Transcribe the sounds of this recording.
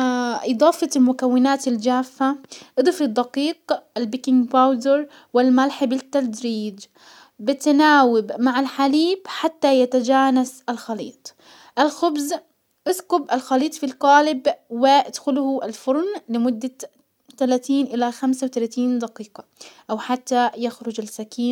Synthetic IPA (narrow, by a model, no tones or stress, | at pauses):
ʔɨd̪ˤɑːfɑlmʊkawːɪnaːt̪ɪld͡ʒaːfːaʔɨd̪ˤɨfɪd̪ˤːɑqiːqʔalbɪkɪŋɡbawd̪ɪɾ | wɪlmalħabɪt̪ːad̪ɾiːd͡ʒ | bɪt̪naːwɪbmaʕalħaliːbħat̪ːajat̪ad͡ʒaːnasʔalxɑlḭːt̪ˤ | ʔalxʊbz | ʔɪsqʊbʔalxaliːt̪ˤfilqɑːlɪbwɪʔad̪xʊlʊhʊʔalfʊɾˤnlɪmʊd̪ːa | t̪alat̪iːnʔɪlaxamsawt̪alat̪iːnd̪ɑqiːqɑʔawħat̪ːajaxɾʊd͡ʒalsakiːn